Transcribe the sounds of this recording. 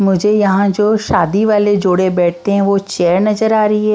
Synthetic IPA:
mʊd͡ʒʱejɐɦãd͡ʒoːʃaːd̪iʋaːled͡ʒoːɽebɛːʈ̚ʰt̪eɦɛ̃ʋot͡ʃɛːəɾnɐzəɾaːɾɐiɦɛː

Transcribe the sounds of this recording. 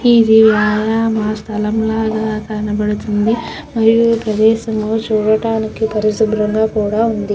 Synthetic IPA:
id̪iʋjaːjaːmaːst̪ʰɐlɐmlaːɡaːkɐnɐbɐɽut̪und̪i | mɐɾijupɾɐd̪ɛːʃɐmlo̞ːt͡ʃuːɽɐʈaːnikipɐɾisubɾɐŋɡaːkuːɽaːund̪i

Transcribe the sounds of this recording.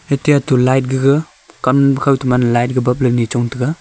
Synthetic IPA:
etijatulajt̚ɡɯɡɯ | kambkʰawtumanlajt̚ɡɯbap̚lɯnit͡ʃɔŋtʰɯɡa

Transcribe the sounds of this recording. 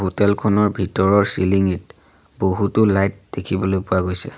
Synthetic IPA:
ɦotɛlkʰɔnɔɹbʱitɔɹɔɹsiliŋit | boɦutʊlajt̚d̥ekʰibɔlojpʊwaɡojsɛ

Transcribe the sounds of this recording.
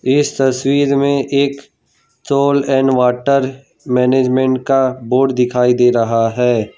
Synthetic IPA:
ɪst̪ɐswiːɾmẽʔeːk | soːlɛːnʋaːʈəɾ | mɛːneːd͡ʒmẽɳʈ̚kaboːɖd̪ɪkʰaːid̪eːɾɐɦaɦɛː

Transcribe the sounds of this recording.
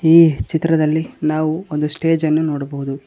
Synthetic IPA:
iːt͡ʃit̪ɾɐd̪ɐlːinaːʋuond̪usʈe̞ːd͡ʒɐnːunoːɽɐbɐɦud̪u

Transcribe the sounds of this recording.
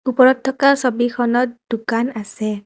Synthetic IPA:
upɔɹɔtʰːɔkaɹsobikʰɔnɔt̚dukanasɛ

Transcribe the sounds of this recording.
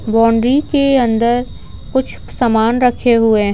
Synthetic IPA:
bɔːɳɖɾikeɐ̃nd̪əɾ | kʊt͡ʃʰ | sɐmaːnɾɐkʰeɦʊe

